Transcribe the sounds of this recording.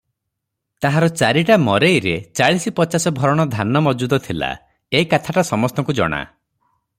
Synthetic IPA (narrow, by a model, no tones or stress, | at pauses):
t̪aɦaɾɔt͡ʃaɾiʈamɔɾejɾet͡ʃaɭisipɔt͡ʃasɔbʱɔɾɔɽ̃ɔd̪ʱanɔmɔd͡ʒud̪ɔt̪ʰila̰ | eikat̪ʰaʈasɔmɔst̪ɔŋkud͡ʒɔ̰ɽ̃a̰